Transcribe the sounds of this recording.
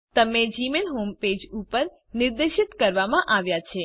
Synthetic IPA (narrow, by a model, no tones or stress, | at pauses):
t̪əmed͡ʒimelɦomped͡ʒupəɾ | nɪɾd̪eʃit̪kəɾʋamãʔaʋjat͡ʃʰe